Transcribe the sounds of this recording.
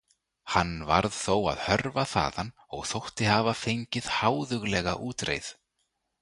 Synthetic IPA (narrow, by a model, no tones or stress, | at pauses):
hanːva̰ɾðθowa̰ðhœɾvaθa̰ːðanː | ɔɣθowht̪ɪhaːvafejɲcɪð̥haːwðʏɣlɛɣaʔuːt̪ɾḛjθ